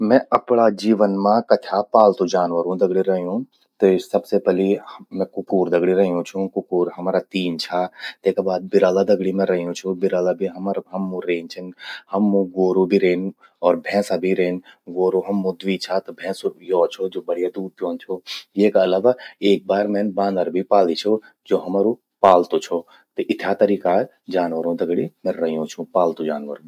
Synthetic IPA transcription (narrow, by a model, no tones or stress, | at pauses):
mɛ̃ɐpɽad͡ʒiːʋənmãkɐtʰapaːlt̪õd͡ʒaːnʋəɾũd̪ɐɡɽiɾɐɦijũ | t̪esɐbsepɛlimɛ̃kʊkuːɾd̪ɐɡɽiɾɐɦijũt͡ʃʰũkʊkuːɾɦɐmaːɾat̪iːnt͡ʃʰat̪eːkabaːd̪̚bɪɾaːlad̪ɐɡɽimẽɾɐɦijũt͡ʃʰubɪɾaːlabʱiɦɐmaɾɦɐmːũɾeːnt͡ʃʰɪnhɐmːõɡoːɾobʱiɾeːn | ɔːɾbʱɛ̃ːsabʱiɾeːnɡoːɾoɦɐmːũd̪ʋit͡ʃʰat̪obʱɛ̃ːsojoːt͡ʃʰod͡ʒoːbəɽ̤ijad̪uːɾ̚pjoːnt͡ʃʰojeːkɐlaːʋaːeːk̚baːɾmeːnbãːnd̪əɾbʱipaːlit͡ʃʰo | d͡ʒoːɦɐmːɾu | paːlt̪ot͡ʃʰo | t̪ɐʔɪt̪ʰjat̪əɾiːka | d͡ʒaːnʋəɾõd̪ɐɡɽimẽɾɐɦijõt͡ʃʰũpaːlt̪ũd͡ʒaːnʋəɾõ